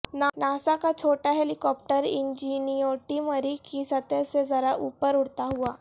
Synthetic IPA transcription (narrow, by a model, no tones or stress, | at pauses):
nanasakat͡ɕʰoʈaɦelikɔp̚ʈəɾiɲd͡ʑinijoʈiməɾikisət̪esed͡zəɾaʔupəɾuɽt̪aɦua